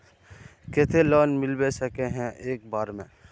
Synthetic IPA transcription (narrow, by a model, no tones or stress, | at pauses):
kɪt̪ʰelɔːnmɪlbesəkeɦɛ̃ʔeːk̚baːɾmḛ̃ː